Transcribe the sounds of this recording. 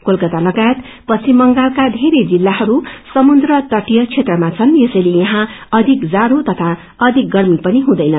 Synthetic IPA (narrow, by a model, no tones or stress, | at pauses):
kolkʌt̪alʌɡajet̪pʌt͡sʰimʌŋɡalkad̪ʱeɾed͡zilːaɦʌɾusʌmund̪rʌt̪ʌʈijʌt͡sʰet̪rʌmat͡sʰʌnjesʌjlejʌɦãʌd̪ʱikd͡zaɾot̪ʌt̪ʰa | ʌd̪ʱik̚ɡʌrmipʌniɦũd̪ʌjnʌ